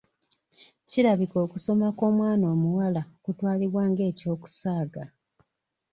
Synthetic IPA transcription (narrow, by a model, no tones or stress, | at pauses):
ciɾaβiko̞ːkuso̞mako̞ːmwaːno̞ːmuwalaokutwaːliβwaːŋɡe̞ːco̞ːku̥saːɡa